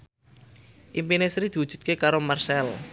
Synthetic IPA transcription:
ʔimpinesɾid̪̥i̤wud̥ʒ̥ṳ̥t̪̚kekaɾomarsɛl

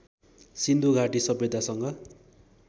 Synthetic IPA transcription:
sind̪ʱuɡʱaʈisʌbed̪ʱasʌŋɡʌ

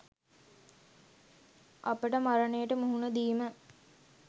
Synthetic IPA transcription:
ɐpəʈəmaɾənejəʈəmuɦunəd̪iːmə

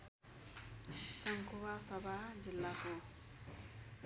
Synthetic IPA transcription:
sʌŋkʰowasʌbʱad͡zilːako

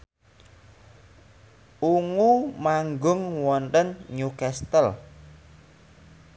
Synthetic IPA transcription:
uŋumaŋɡʊŋwɔnt̪ənɲukɛst̪əl

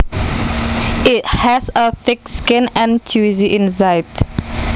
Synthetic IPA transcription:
ɪthæzəθɪkskɪ̃næ̃nt͡ʃʰuziʔɪ̃nzaɪt

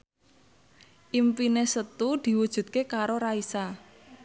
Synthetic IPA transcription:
ʔimpinesət̪ud̪̥i̤wud̥ʒ̥ṳt̪̚kekaɾoɾaisa

